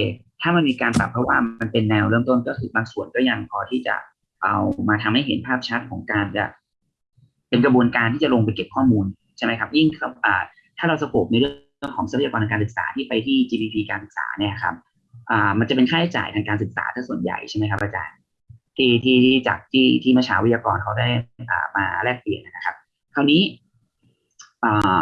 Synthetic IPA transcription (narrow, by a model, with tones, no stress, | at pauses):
e˧˨˩ | t̪ʰaː˥˩ma˧nmiː˧kaː˧npa˨˩pʰːɾɔ˦˥waː˥˩ma˧npe˧nːɛː˧wɾɤ˥˩˨mt̪o˥˩nkɔː˥˩kʰɯː˧baː˧ŋsu˨˩ənkɔː˥˩ja˧ŋpʰɔː˧t̪ʰiː˥˩t͡ɕa̰˨˩ | ʔa˧wmaː˧t̪ʰa˧mha˥˩jɦḛ˨˩˦npʰaː˥˩p̚t͡ɕʰa˦˥t̪̚kʰɔː˩˦ŋkaː˧nt͡ɕa̰˨˩ | pe˧nkɾa˧bu˧ənkaː˧nt̪ʰiː˥˩t͡ɕa˨˩lo˧ŋp̬a˧jke˨˩p̚kʰɔː˥˩muː˧n | t͡ɕʰa˥˩jma˦˥jkʰa˦˥p̚ji˥˩ŋkʰa˥˩ʔaː˨˩ | t̪ʰaː˥˩ɾa˧wsa˧˥kʰo˨˩p̚niː˧ɾɯ˥˩ə˩ | əŋkʰɔː˩˦ŋsa˦pʰa˨jaː˧ɔː˧nt̪ʰa˧kːaː˧nsɯ˨˩sa̰ː˩˦t̪ʰiː˥˩pa˧jt̪ʰiː˥˩t͡ɕiː˧piː˧pʰiː˧kaː˧nsɯ˨˩k̚sa̰ː˩˦ni˥˩a˨˩kʰa˦˥p̚ | ʔaː˨˩ma˧nt͡ɕa˨˩p̬e˧nkʰaː˥˩tʰa˥˩t͡ɕa̰ː˨˩jt̪ʰaː˧ŋkaː˧nsɯ˨˩k̚sa̰ː˩˦t̪ʰaː˦˥˩su˨˩ənja̰˨˩jt͡ɕʰa˥˩ma˦jkʰa˦˥ʔaː˧t͡ɕa̰ː˧n | t̪ʰiː˥˩t̪ʰiː˥˩iː˥˩t͡ɕa̰ː˨˩k̚t̪ʰiː˥˩t̪ʰiː˥˩ma˧˩t͡ɕʰaː˩˦wi˦˥jaː˧kɔː˧nkʰa˦˥wdaː˥˩jʔa̰ː˨˩maː˧ɾɛː˥˩k̚pi˨˩ənːʔa˦˥na˦kʰa˦˥p̚ | kʰa˥˩wniː˦˥ | ʔaː˨˩